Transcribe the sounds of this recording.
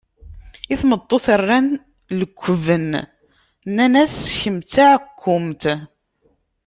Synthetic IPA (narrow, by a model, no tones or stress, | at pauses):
iθmət̪ˤːoθərːæn | ləkʷːəvən | nænæsçəmt͡saʕkʷʰːʊmt̪